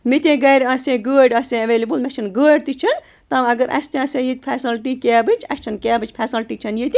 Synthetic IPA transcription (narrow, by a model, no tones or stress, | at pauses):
mit̪ʲẽːɡɐjɾɐsẽɡəːɖɐsẽɐʋeːlibɨlmʲɛt͡ʃʰɐnɡəːɖt̪it͡ʃʰɐn | t̪ɐmɐɡɐɾʔɐ̰st̪ẽɐsẽːjit̪ʲpʰɛːsɐlʈikaːbɨt͡ʃʰɐst͡ʃʰɐnkaːbɨt͡ʃʰʲpʰɛsɐlʈiːt͡ʃʰɐnjit̪i